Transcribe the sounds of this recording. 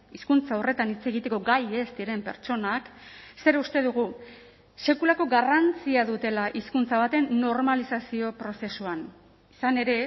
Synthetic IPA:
iskunt͡saore̞t̪anit͡se̞ɣ̞it̪e̞ko̞ɡaje̞zd̪iɾe̞mpe̞̰ɾt͡ʃo̞nakse̞ɾust̪e̞ðuɣ̞u | se̞kulako̞ɡarant͡siaðut̪e̞laʔiskunt͡saβ̞at̪e̞nːo̞ɾmalisasio̞pɾo̞se̞suan | isane̞ɾe̞

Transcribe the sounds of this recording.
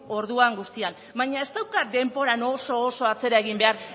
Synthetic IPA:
o̞ɾð̞uaŋɡust̪ian | bajɲae̞st̪awkat̪̚d̪e̞mpo̞ɾano̞so̞ːso̞at͡se̞ɾae̞ɣ̞imbe̞aɾ

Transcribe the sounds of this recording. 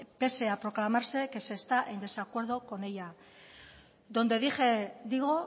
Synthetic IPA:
pe̞se̞apɾo̞klamaɾse̞ke̞se̞st̪aʔe̞nd̪e̞sakwe̞ɾð̞o̞ko̞ne̞ʎa | ðo̞nd̪e̞ðixe̞d̪iɣ̞o

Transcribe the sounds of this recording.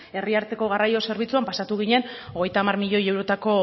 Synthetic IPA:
e̞riaɾt̪e̞ko̞ɣ̞arajo̞se̞ɾβ̞it͡suampasat̪uɣ̞iɲe̞no̞ɣ̞e̞jt̪aːmaɾmiʎo̞je̞wɾo̞t̪ako̞

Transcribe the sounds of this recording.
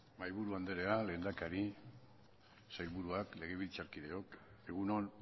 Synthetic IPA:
majβuɾuand̪e̞ɾe̞ale̞ːnd̪akaɾi | sajβuɾuakle̞ɣ̞e̞βilt͡saɾkiðe̞o̞ke̞ɣ̞unon

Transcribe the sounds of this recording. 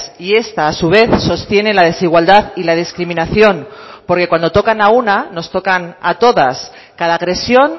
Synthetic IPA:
sie̞st̪aːsuβ̞e̞θso̞st̪je̞ne̞laðe̞siɣ̞wald̪aðilað̞iskɾimĩnaθjo̞npo̞ɾke̞kwand̪ot̪o̞kanaunano̞st̪o̞kanat̪o̞ðas | kaðaːɣɾe̞sjo̞n

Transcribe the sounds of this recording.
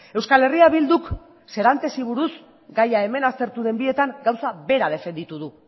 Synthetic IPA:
e̞wskale̞riaβild̪uk | se̞ɾant̪e̞siβ̞uɾus | ɡajaeme̞nast̪e̞ɾt̪uðe̞mbie̞t̪aŋɡawsaβe̞ɾaðe̞fe̞nd̪it̪uðu

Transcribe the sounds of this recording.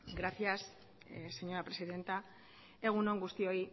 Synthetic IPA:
ɡɾaθias | se̞ɲo̞ɾapɾe̞siðe̞nt̪a | e̞ɣ̞uno̞ŋɡust̪io̞i

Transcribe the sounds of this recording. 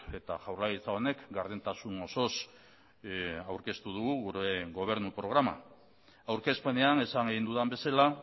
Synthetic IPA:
e̞t̪a̰ʝawɾlaɣit͡sao̞ne̞kɡaɾð̞ent̪asuno̞so̞s | awɾke̞st̪uð̞uɣuɣuɾeɣɡo̞β̞e̞ɾnupɾo̞ɣ̞ɾama̰ | awɾke̞spe̞ne̞ane̞saŋeɣind̪uðambe̞sala

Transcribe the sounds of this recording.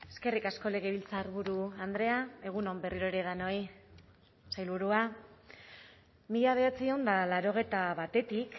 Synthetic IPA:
e̞ske̞rikasko̞le̞ɣ̞eβ̞ilt͡saːɾβ̞uɾuand̪ɾe̞ae̞ɣ̞uno̞mbe̞riɾo̞eɾe̞ð̞ano̞j | sajlβuɾua | miʎaβ̞e̞at͡sio̞nd̪alaɾo̞ɣ̞e̞t̪aβat̪e̞t̪ik

